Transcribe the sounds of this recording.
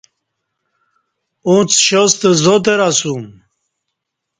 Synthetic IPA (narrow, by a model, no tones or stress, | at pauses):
ũt͡sɕost̪ezot̪̬eɾasum